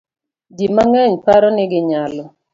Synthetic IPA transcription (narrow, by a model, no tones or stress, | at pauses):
d͡ʒimaŋɛɲpaɾɔnɪɡɪɲalɔ